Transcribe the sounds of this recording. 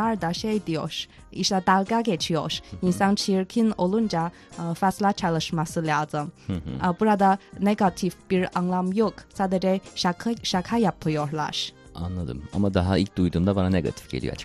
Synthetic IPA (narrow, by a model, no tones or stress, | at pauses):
aɾd̪aʃejd̪ijo̰ɾ̥ | iʃlad̪alˠɡaɡet͡ʃʰijo̰ɾinsant͡ʃʰijiɾkʰino̞lˠund͡ʒa | faslʲat͡ʃʰalˠɯʃmasɯlʲaːzɯmbuɾad̪aneɡat̪ʰifb̥iɾanlˠamjoksaːd̪ed͡ʒɛakʰʃakʰajapʰɯjoɾlˠa̰ɾ̥ | a̰nlˠad̪ɯ̰ma̰mad̪aɦaḭlʲc̚d̪ujd̪uːmd̪abananeɡa̰t̪ʰi̥fɟ̥elʲijo̰a̰t͡ʃ